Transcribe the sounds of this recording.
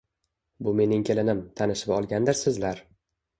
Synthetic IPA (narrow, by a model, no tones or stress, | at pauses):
bʊme̞nɪŋkʲʰe̞lɪnɪmt̪ʰanɪʃɪpɒlˠɡʲand̪ɪɾsɪzlaɾ